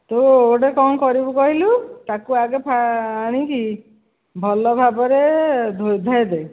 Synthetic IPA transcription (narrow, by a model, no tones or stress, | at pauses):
t̪ooɽekɔmkɔɾibukɔɦilut̪akuaɡepʰaːɽ̃iki | bʱɔlɔbʱabɔɾed̪ʱod̪ʱajd̪ej